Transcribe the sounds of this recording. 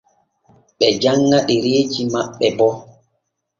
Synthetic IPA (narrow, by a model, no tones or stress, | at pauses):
ɓɛd͡ʒaŋːaʔɛɾeːd͡ʒimaɓːɛbɔ